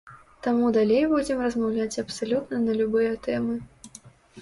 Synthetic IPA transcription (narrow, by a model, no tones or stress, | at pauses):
t̪amud̪alʲejbud͡zʲɪmrɐzmawlʲat͡sʲɐpsalʲut̪nɐnɐlʲubɨjɐt̪ɛmɨ